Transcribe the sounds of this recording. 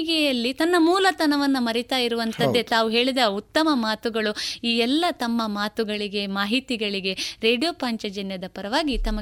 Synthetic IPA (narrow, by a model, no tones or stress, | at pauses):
ɡɛjɐlːit̪ɐnːɐmuːlɐt̪ɐnɐʋɐnːumɐɾit̪aːjiɾuʋɐnt̪ɐd̪ːet̪aːʋuɦe̞ːɭid̪ɐut̪ːɐmɐmaːt̪uɡɐɭuiːɛlːɐt̪ɐmːɐmaːt̪uɡɐɭiɡe̞maːɦit̪iɡɐɭiɡe̞ɾe̞ːɖijoːpaːɲt͡ʃɐd͡ʒɐnjɐd̪ɐpɐɾɐʋaːɡit̪ɐmɐ